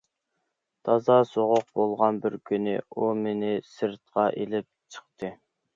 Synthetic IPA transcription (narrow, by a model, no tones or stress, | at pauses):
t̪ʰɑzɑsoʁʊq̚bolˠʁɑnbɪɾkʲʰynɪumenɪsɨɾt̪̚qɑʔelɪp̚t͡ʃʰə̥χt̪ʰɨ